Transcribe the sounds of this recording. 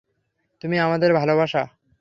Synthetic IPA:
t̪umiamad̪eɾbʱalobaʃa

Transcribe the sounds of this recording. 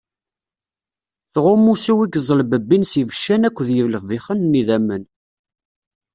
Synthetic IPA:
θʁʊmːusiwiɡəzˤəlbəbːinsivəʃːænækʷːðjəvləfviχənniðæmən

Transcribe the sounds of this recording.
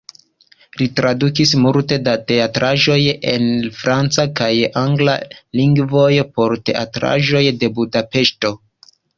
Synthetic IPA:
litɾadukismulte̞date̞atɾaʒo̞je̞nfɾant͡sakajaŋɡla̰liŋɡvo̞jpo̞ɾte̞ʔa̰tɾa̰ʒo̞jde̞budape̞ʃto̞

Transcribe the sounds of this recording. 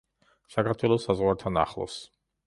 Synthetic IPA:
sakʰaɾt̪ʰwɛlˠɔsːazʁwaɾt̪ʰana̰χlˠɔ̰s

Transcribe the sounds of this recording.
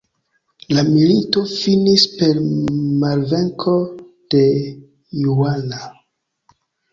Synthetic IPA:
lamilito̞finispe̞ɾmalve̞ŋkʰo̞ | d̥e̞ | juana

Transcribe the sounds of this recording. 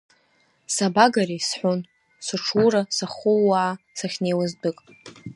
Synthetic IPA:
sabaɡarisħʷon | sɨʈ͡ʂʰurasaχʊːaʕa | saχʲnejwazdɨkʼ

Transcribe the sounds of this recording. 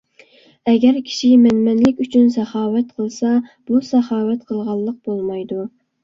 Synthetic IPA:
ɛɡʲɛɾkʲʰi̥ʃimɛnmɛnlɪkʲyt͡ʃʰynsɛχɑːwɛt̪̚qʰəlˠsɑb̥usɛχɑːwɛt̪qʰəlˠʁɑlˠːəq̚bolˠmɑjd̪u

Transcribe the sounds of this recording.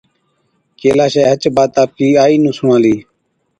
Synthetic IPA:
keːlaːʃeːɦət͡ʃbaːt̪aːp̚iːaːiːnũːsʊ̃ːãːliː

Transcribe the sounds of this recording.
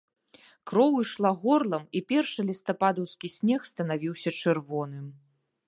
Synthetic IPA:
kɾɔwɨʂlˠaɣɔrlˠɐmipʲɛrʂɨlʲist̪ɐpad̪ɐwskʲisʲnʲɛxst̪ɐnavʲiwsʲɐt͡ʂɨrvɔnɨm

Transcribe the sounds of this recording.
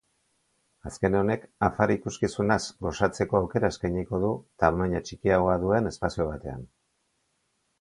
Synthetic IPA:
aske̞neo̞ne̞kafaɾikuskisunasɡo̞sat͡se̞ko̞awke̞ɾaeskajɲiko̞ðut̪aβmaɲat͡ʃikiaɣo̞aðue̞ne̞spasio̞β̞at̪e̞a̰n

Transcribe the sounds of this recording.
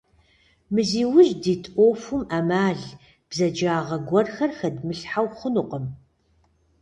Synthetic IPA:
mɨziːwʊʒdiːtʼoːfumamaːɮ | b̥zɐd͡ʒaːʁɐɡʷɔrxɐrxɐdmɨɬħawχənuqəm

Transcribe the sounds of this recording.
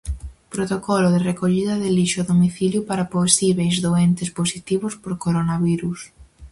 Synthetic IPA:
pɾot̪okɔlʊðɪrekoʎiðɐðɪliʃʊðomiθiljʊpaɾaposiβejzðoɛnt̪ɪsposit̪iβʊspoɾkoɾonaβiɾus

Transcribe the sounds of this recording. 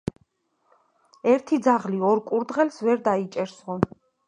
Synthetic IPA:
ɛɾt̪ʰid̪zaʁliɔɾkʼuɾd̪ʁɛlsvɛɾd̪ait͡ʃʼɛɾsɔ

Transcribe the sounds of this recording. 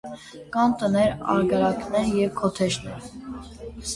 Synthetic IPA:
kɑnt̪ənɛɾɑ̰ɾɡəɾɑknɛɾjɛvkʰɔt̪ʰɛʃnɛɾ

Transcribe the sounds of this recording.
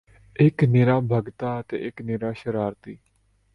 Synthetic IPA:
ɪkneːɾaːbʱəɡt̪aːət̪ḛːʔɪknɪːɾaːʃəɾaːɾt̪iː

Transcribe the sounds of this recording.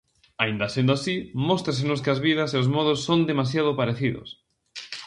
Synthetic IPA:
aind̪ɐsẽnd̪ʊasimɔst̪ɾasenʊskɪazβiðɐseozmɔð̞osːond̪emas̬jaðʊpaɾeθiðo̰s

